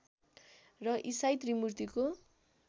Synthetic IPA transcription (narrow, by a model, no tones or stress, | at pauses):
rʌʔisajt̪rimurt̪iko